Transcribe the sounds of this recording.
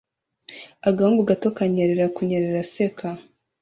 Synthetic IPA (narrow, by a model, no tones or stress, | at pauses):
aɡaumbuɡatokaɲeɾeɾakuɲeɾeɾasekʰa